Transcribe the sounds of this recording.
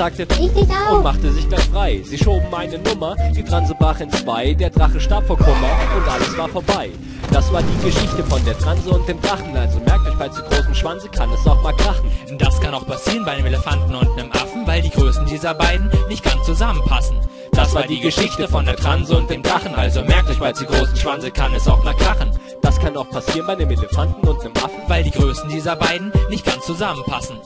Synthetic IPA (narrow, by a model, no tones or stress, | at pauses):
zaːk̚təʊmaχtəzɪçɡ̥laɪçfʁ̥aɪziːʃoːbm̩aɪnənʊmɐd̥iːdʁanzəbʁaːχɪnt͡sv̥aɪdeːɐdʁaχn̩ʃtaɐpfoːɐkʰʊmɐʊntʔaləsv̥aːɐfoːɐbaɪ | d̥asv̥aːɐdiːɡəʃɪçtəfɔndeːɐdʁanzəʊnt̚d̥eːmdʁaχn̩alzomɛɐk̚ɪfaɪt͡suɡʁoːsn̩ʃv̥anzəkʰanɛsaʊxmaːlkʁ̥aχn̩nd̥askʰanaʊxpʰasiːʁənbaɪdeːmʔeləfantn̩ʊntnəmʔa̰fn̩vaɪldiːɡʁøːsn̩diːzɐbaɪdn̩nɪçt̚ɡ̥ant͡st͡suzamənpʰasn̩ | d̥asvaːɐːɐdiːɡəʃɪçtəəfɔndeɐtʁ̥anzəʊnt̚d̥eːmdʁaχn̩ʔalzomɛɐk̚tdɪçb̥aɪt͡suɡʁoːsn̩ʃv̥anzəkʰanɛsa̰ʊxmaːlkʁ̥aχn̩ | d̥askʰanaʊxpʰasiːʁənbaɪdeːmeləfantn̩ʊntnəmʔa̰fn̩vaɪldiːɡʁøːsn̩diːzɐbaɪdn̩nɪçt̚ɡ̥ant͡st͡suzamənpʰasn̩